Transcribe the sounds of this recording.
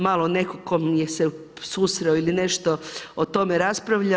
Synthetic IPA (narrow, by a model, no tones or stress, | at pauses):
malˠone̞kokomjese | susɾeoiline̞ʃt̪o̞ot̪o̞meɾaspɾaʋʎa